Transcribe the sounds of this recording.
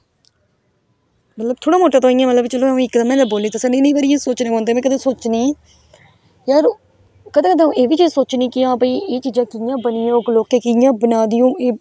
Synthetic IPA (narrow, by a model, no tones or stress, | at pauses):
mət̪ləb̚t̪ʰoːɽaːmoːʈaːt̪oːɪ̃jãːmət̪ləbt͡ʃəlõːɪkd̪əmɛ̃ːd̪aːboːliːt̪aːsɛːnẽːnẽːbaːɾɪjãːsoːt͡ʃnẽːõːnd̪eːmɛ̃ːkəd̪ẽːsoːt͡ʃniː | jəɾ | kəd̪ẽːkəd̪ẽːeːʋiːt͡ʃisoːt͡ʃnĩːkɪãːbəiːʔeːt͡ʃiːd͡ʒãːkɪjãːbənɪːjõːkloːkeːkɪjãːbənaːd̪ɪjõːeː